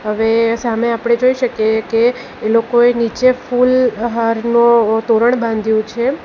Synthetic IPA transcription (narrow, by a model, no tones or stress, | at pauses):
ɦəʋesameapəɽ̃ed͡ʒoiʃəkjekeː | lokoenit͡ʃefulɦaɾnõt̪oɾəɳbãnd̪ʱjũt͡ʃʰe